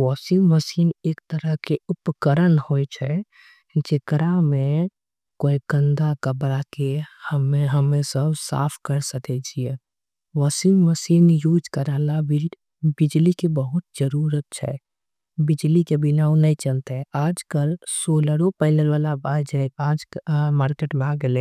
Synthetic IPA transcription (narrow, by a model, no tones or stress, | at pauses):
wɔːsimməsiːneːk̚t̪əɾəɦkeʊpkəɾənhojt͡ʃʰɛ | d͡ʒekɾamẽ | koːikə̃nd̪akəbɾakehəmeɦəmẽsəbsa̰ːpʰkəɾsəkɛt͡ʃʰie | ʋəsiməsiːnjuːd͡ʒkəɾəlabi | bɪd͡ʒlikebəɦʊt̪̚d͡ʒəɾuɾət̪̚t͡ʃʰɛ̰ | bɪd͡ʒlikebɪnaːunəĩt͡ʃənt̪ɛaːd͡ʒkəlsoːləɾopəɪləlʋalabad͡ʒɛaːd͡ʒmaːɾkeʈmẽaɡele